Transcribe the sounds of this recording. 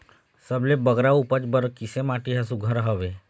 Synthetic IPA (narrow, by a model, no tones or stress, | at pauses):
səblebəɡɾaupəd͡ʒbəɾkisemaʈiɦasuɡʱəɾɦəʋe